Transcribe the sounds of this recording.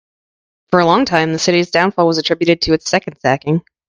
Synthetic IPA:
fə˞əlɔ̃ŋtʰãɪ̃mðɨsɪɾizdãʊ̃nfɔlˠwʌzɨtʰɹ̥ɪbjʉɾɨd̚tʰɨːtsɛkn̩d̥sækɪ̃ŋ

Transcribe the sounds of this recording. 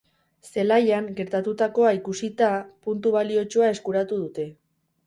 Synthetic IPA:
se̞lajaŋɡe̞ɾt̪at̪ut̪ako̞aikusit̪apunt̪uβ̞alio̞t͡ʃoae̞skuɾat̪uð̞ut̪e̞

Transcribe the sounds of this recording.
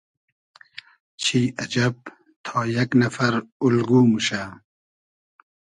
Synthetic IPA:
t͡ɕʰiːɐd͡ʑɐb̚ | t̪ʰɔːjaknafɐɾulɡuːmuʃa

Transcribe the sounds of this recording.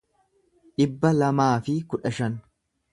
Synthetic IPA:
ᶑɪbːɐlɐmaːfɪkʊᶑɐʃɐn

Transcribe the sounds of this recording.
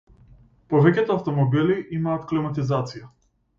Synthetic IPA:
pɔvɛcʲɛt̪ɔaft̪ɔmɔbiliʔimaːt̪klimat̪izat̪sija

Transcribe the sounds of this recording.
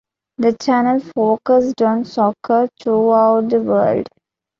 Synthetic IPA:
d̪ət͡ʃænəlfoːkəsɖɔ̃nsɔkʰəɾt̪ʰɾuaʊʈ̚d̪əʋə̰ːlɖ

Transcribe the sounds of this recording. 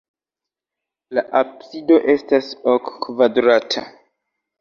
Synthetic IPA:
laʔabsido̞ʔe̞stasokːvadɾatʰa

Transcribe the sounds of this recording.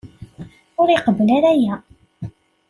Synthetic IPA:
ʊɾɪqəbəlaɾæjæ

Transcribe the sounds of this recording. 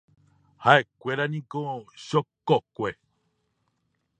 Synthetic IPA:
haʔekʷe̞ɾanĩkoʃokokʷe

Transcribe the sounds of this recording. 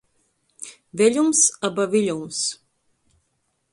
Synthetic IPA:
vʲɛʎʲumsabavilʲums

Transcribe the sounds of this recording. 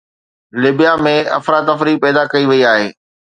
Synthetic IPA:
lɪbijamẽɐ̰fɾaːt̪ɐfɾipɛːd̪akɐiʋɐiaːɦeː

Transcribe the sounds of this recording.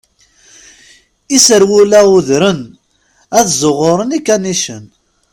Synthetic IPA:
isəɾwulæuðɾən | æðzˤoʁoɾˤənikːæniʃən

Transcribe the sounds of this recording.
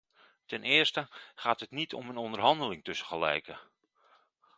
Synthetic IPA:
tɛnʔɪːəɹstəχaːtɦətnitʰɔ̰mənɔndərɦɑndəlɪŋtɵsəχəlɛ̰jkə

